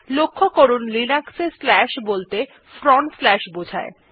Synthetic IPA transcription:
lokʰːokoɾunlinakseslɛʃbolt̪e | fɾɔɳslɛʃbod͡ʑʱa̰e

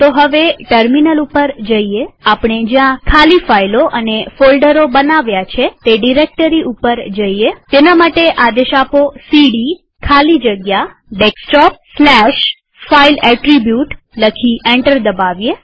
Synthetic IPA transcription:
t̪oɦəʋeʈəɾminəlupəɾd͡ʒəieapɳ̃ed͡ʒjãkʰalifailoʔənefolɖəɾobənaʋjat͡ʃʰet̪eɖiɾek̚ʈəɾiʔupəɾd͡ʒəiet̪enamaʈeʔad̪eʃaposiɽi | kʰalid͡ʒəɡja | ɖeksʈɔp̚slɛʃ | failɛʈɾibjuʈ | ləkʰiʔeɳʈəɾd̪əbaʋje

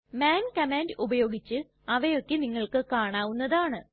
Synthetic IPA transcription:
maːnkɐmaːndubɐjo̞ːɡit͡ɕːɨ | ɐʋɐjo̞kːeniŋːɐɭkɨkaːɳaːʋunːɐðaːɳɨ

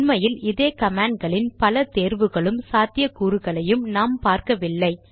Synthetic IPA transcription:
nmɐjɪlɪðeːkɐmaːɳɖ̚ɡɐɭɪnpɐlɐt̪eːɾʋɯɣɐɭɯmsaːt̪ɪjɐkuːɾɯɣɐɭɐjɯmnaːmpaːɾkɐʋɪlːɐɪ

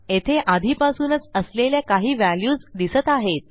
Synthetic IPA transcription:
et̪ʰeʔad̪ʱiːpasuːnət͡səsleljakaɦiːʋæljuːd͡zd̪isət̪aɦet̪̚

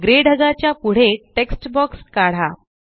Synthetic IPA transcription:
ɡɾeɽ̤ʱəɡat͡ɕjapuɽ̤eʈeksʈbɔkskaɽ̤a

